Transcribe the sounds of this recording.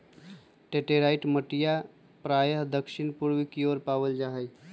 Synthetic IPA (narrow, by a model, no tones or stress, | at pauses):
ʈeʈeɾaɪʈməʈija | pɾajəɦd̪əkʃɪnpuɾʋikioɾpaʋəld͡ʒaɦəj